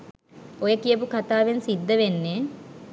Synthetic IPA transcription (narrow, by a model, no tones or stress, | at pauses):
ojəkijəp̬ukat̪aːʋensid̪ːəʋenːe